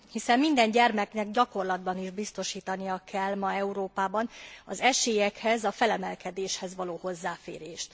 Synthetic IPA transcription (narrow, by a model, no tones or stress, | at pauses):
hisɛmmind̪ɛɲɟɛrmɛknɛɡɟɒko̞rlɒd̪bɒniʒbist̪o̞ʃiːt̪ɒnijɒkɛlmɒɛuɾoːpaːbɒnɒzɛʃeːjɛkhɛzɒfɛlɛmɛlkɛd̪eːʃhɛzʋɒloːho̞zːaːfḛːɾeːʃt̪